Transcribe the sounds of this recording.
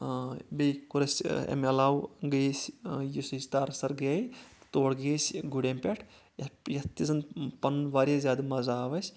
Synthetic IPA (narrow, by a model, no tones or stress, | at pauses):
bejkuɾɐsʲḛmɐlaːwɡəsʲjisizʲt̪aːɾsɐɾɡeːjt̪oːɽɡeːsʲɡuɽʲempʲeʈʰ | jɐjɐt̪izɐnpɐnʋaːɾazʲaːd̪ɨmɐzaːʋɐsʲ